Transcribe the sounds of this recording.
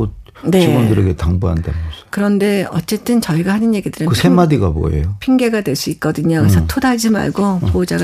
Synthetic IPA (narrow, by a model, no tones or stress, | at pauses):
o | ne̞iondɯɾeɡetaŋbuɦanda̰mjʌskɯɾʌnde̞ʌ̰t͡ɕ͈e̞t͈ɯnt͡ɕʌiɡahanɯnjeɡidɯɾɯkɯsʰemadiɡabo̰ḛjopʰiŋɡe̞ɡadwe̞ɭs͈uit̚k͈ʌdɯɲakesʰʌtʰodaɭd͡ʑima̰ɭɡopood͡ʑaɡ